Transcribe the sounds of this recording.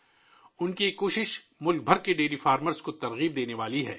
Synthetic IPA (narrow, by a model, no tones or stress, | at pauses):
ʊnkiekːoːʃɪʃ | mʊlk̚bʱɐɾkeɖeːlifaːɾməɾskot̪ɐɾɣiːb̚d̪eːneʋaːliɦɛː